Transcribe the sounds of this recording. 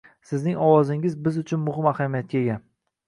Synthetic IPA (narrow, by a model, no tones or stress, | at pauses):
sɪznɪŋɒwɒzɪŋɪzbɪzʊt͡ʃʰʊnmʊhɪmahamijat̪̚kʲaeɡʲan